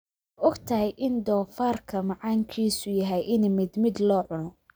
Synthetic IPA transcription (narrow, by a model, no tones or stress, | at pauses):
ʊɡt̪ʰɐɦɛjʔɪnd̪ɔːfaːrkʰɐmɑʕɑːŋkʰiːsʊjɐɦɛjʔɪnmɪd̪mɪd̪lɔːʕʊnɔ